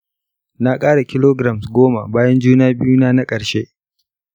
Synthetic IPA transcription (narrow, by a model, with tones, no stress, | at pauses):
na˦kʼaː˦ɽa˨kʲɪ˦loː˦ɡɾa˨msɡʷoː˦ma̰˨baː˦jɐ˦nd͡ʒuː˦naː˦bɪ˦ju˦naː˦na˦kʼɐ˨ɽʃe˦ʔ